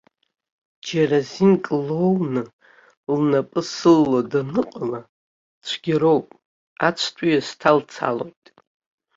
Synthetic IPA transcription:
d͡ʒarazinkʼlownɨ | lnapʼɨsɨlːodanɨqʼala | t͡ʃʷʰɡʲaɾo̞wpʼ | at͡ʃʷʰtʷʰʼujastʰalt͡sʰa̰lo̞̰jtʼ

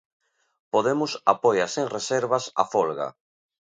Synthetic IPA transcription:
poðemʊsa̰pojaseŋreseɾβasa̰fɔlɣa̰

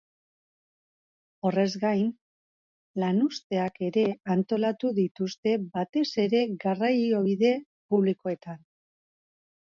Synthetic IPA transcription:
o̞re̞zɡajn | lanust̪e̞ake̞ɾe̞ant̪o̞lat̪uðit̪ust̪e̞bat̪e̞se̞ɾe̞ɣarajo̞βiðe̞ | puβliko̞e̞t̪an

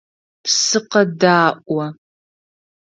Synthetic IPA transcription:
psɨqɐdaːʔʷʼɐ

